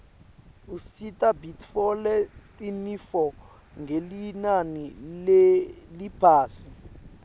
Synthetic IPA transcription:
usitʼabitʰfɔlɛtʼinifɔ | ŋɡʱelinanilelipʰaːsi

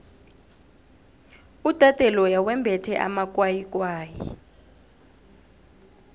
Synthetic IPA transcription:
utʼatʼɛlɔjawɛmbʱɛtʰɛʔa̰mak̬ʼwajik̬ʼwaːjḭ

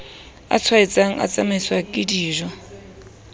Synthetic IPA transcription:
a̰t͡sʰwait͡sʼaŋ̩a̰t͡sʼamɪswakʼɪdiːʒwa

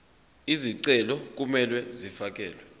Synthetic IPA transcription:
iziǀɛlɔk̬umɛlwɛzifak̬ʼɛːlwɛ

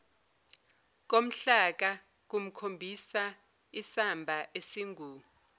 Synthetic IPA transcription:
k̬om̩ɬak̬a | k̬um̩kʰombʱisa | isambʱaʔesiŋuː

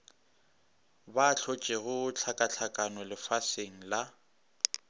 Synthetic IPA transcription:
baɬʰɔt͡ʃʼɪɣʊt͡ɬʰakʼat͡ɬʰakʼanɔlɪfaseŋ̩la

